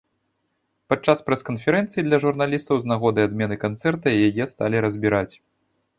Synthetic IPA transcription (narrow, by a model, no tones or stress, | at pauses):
pat͡ʂːaspɾɛskɐnfʲɛɾɛnt̪sɨjid̪lʲɐʐurnalʲist̪ɐwznaɣɔd̪ɨad̪mʲɛnɨkant̪sɛrt̪ɐijajɛst̪alʲiɾɐzʲbʲiɾat͡sʲ